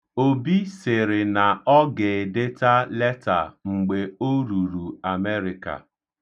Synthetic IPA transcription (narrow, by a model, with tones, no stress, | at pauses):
o˨bi˦se˨ɾɪ˨na˨ɔ˦ɡɪ˨de˦ta˦lɛ˦ta̰˨ŋ͡m̩˨ɡ͡be˨o˦ɾu˨ɾu˨a˨me˦ɾɪ˨ka̰˨